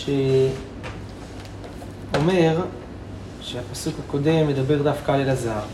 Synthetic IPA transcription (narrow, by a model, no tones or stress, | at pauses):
ʃe | o̞me̞ʁ | ʃeapasukhako̞d̪e̞mjed̪abe̞ʁd̪afkalelazaaʁ